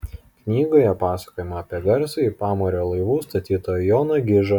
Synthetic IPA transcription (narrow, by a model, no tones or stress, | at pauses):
knʲiːɡoːjɛpɑːsɐ̥koːjɛmɐːpʲiɛɡɐɾsɐipɑːmoːɾʲoːlˠɐɪʋuːst̪ɐt̪ʲiːt̪oːjjoːnɐɡʲɪʒɐ